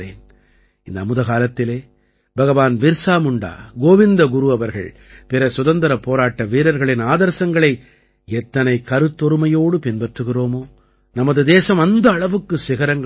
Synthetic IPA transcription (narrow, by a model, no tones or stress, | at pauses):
eːn | ɪnd̪ɐmʊðɐɣaːlɐt̪ːɪleː | bɐɣɐʋaːnbɪɾsaːmɯɳɖa̰ːɡoːʋɪnd̪ɐɡʊɾuɐʋɐɾɣɐ̰ɭ | pɪɾɐsʊðɐnd̪ɐɾɐpoːɾaːʈːɐʋiːɾɐɾɣɐɭɪnaːðɐɾsɐŋɡɐɭɐɪ | ɛt̪ːɐnɐɪkɐɾɯt̪ːɔɾɯmɐjoːɽɯpɪnpɛʈrɯɣɪroːmoː | nɐmɐðɯd̪eːsɐmɐnd̪ɐːɭɐʋɯkːɯsɪɣɐɾɐŋɡɐ